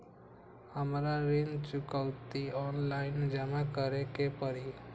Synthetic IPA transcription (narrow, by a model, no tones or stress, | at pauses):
həmɾaɾend͡ʒt͡ʃʊkəʊt̪iɔːnlaɪnd͡ʒəmakəɾekepəɾi